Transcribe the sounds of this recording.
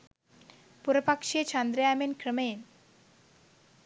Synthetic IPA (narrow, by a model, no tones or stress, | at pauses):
puɾopakʃiet͡ɕand̪ɾeamenkɾəmen